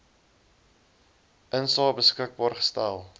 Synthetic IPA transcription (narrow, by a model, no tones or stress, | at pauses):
ʔənsɑːbəskək̚bɑːrχə̥stælˠ